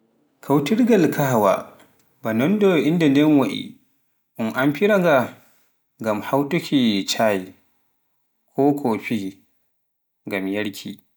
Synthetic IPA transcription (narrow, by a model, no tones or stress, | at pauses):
kʰawtiɾɡalkʰahawa̰ | banɔndɔʔindanɛnwaʔḭ | ʔʊmʔamɸiɾaŋɡa | ŋɡamhawtukʰʲit͡ʃaːji | kʰɔːkʰoɸi | ŋɡamjɐɽkʲʰḭ